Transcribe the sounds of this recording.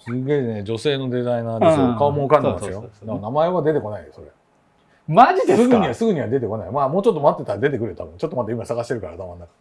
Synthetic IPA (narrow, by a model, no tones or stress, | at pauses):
sɨɡe̞ned͡ʑo̞se̞ːno̞d̪e̞zainaːd̪esɨokaomoːkãnd̪emasjod̪emnamaeβad̪e̞t̪e̞ko̞naid̪eso̞ɾe | maʑid̪esɨɡɯ̟ɲ̟iβasɨɡɯ̟ɲ̟iβad̪e̞t̪e̞ko̞naimaːmo̞ːt͡ɕot̪ːo̞mat̪ːe̞t̪aɾad̪e̞t̪e̞kɯɾet̪a̰bɯ̟̃ɲt͡ɕot̪ːomat̪aimasaɣaɕi̥t̪e̞ɾɯ̟kaɾaːt̪amanːakḁ